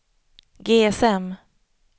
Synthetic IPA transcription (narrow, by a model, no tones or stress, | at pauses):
ɡeːɛsɛm